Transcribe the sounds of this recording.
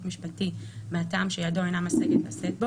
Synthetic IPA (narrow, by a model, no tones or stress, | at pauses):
tmiʃpaltimeata̰ːmʃejadoajnamaseɡetla̰set̚bo